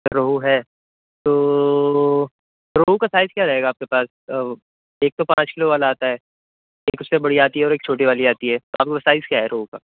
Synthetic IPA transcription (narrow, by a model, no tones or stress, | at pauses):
ɾoɦuɦɛː | t̪oː | ɾoːɦukasaːɪzkjaːɾɐɦeːɡaːp̚kepaːs | eːk̚t̪opãːt͡ʃkɪloʋaːlaaːt̪aɦɛː | eːkʊssebɐɽiaːt̪iɦɛɔːɾeːk̚t͡ʃʰoːʈiʋaːliaːt̪iɦɛːt̪oʔaːp̚keaːsaːɪzkjaɦɛɾoːɦuka̰ː